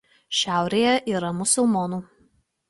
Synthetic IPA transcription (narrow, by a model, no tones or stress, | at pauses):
ʃʲæˑʊɾʲeːjɛʔiːɾɐmʊsʊlˠmɔnuː